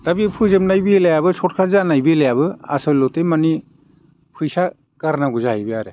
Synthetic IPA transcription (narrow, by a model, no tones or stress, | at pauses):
tabipʰɯzɯmnajbielajabɯsʰɔt̚kʰaɾzanajbilajabɯa̰sɯlɔtemani | pʰɯjsa | kaɾnaɡuzaajbiaɾe